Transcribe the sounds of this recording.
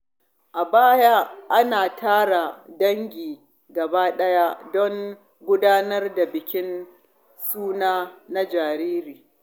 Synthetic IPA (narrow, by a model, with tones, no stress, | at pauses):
ʔa˨baː˦ja˦ʔa˦naː˨taː˦ɽa˨dɐ˦ŋɡʲiː˨ | ɡɐ˨baː˦ɗɐ˦ja˦dɔ˦ŋ | ɡʷʊ˦daː˦nɐ˦rda˨bɪ˨kʲɪ˦n | suː˦naː˦na˦d͡ʒaː˨ɾiː˦ɾiː˨